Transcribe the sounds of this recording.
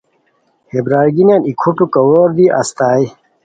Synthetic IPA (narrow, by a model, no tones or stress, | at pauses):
hebɾaːɾɡinaːnikʰuʈukɐwoːɾd̪iʔa̰st̪aːi